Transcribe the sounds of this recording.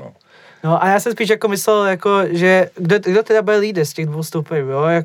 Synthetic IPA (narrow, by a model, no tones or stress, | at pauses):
noʔajaːsɛmspiːʃjakomɪslɛljakoʒɛɡdoɡdot̪ɛdabɪlliːdscɛɣdvowst̪opɛɾuːjojak